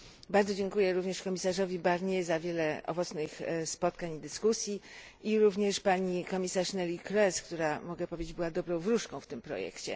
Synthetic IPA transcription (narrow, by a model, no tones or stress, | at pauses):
baɾd̪zɔd͡ʑɛŋkujɛɾuvɲɛʂkɔmʲisaʐɔvʲibaɾɲɛzavʲjɛlɛʔɔ̰vɔt̪snɘxspɔt̪kaɲid̪ɘskusʲji | iɾuvɲɛʂpaɲikɔmʲisaʂnɛlʲikɾɛskt̪uɾamɔɡɛpɔvʲjed͡ʑed͡ʑbɘwad̪ɔbɾɔ̃w̃vɾuʂkɔ̃w̃ft̪ɘmpɾɔ̰jɛ̰kt͡ɕɛ̰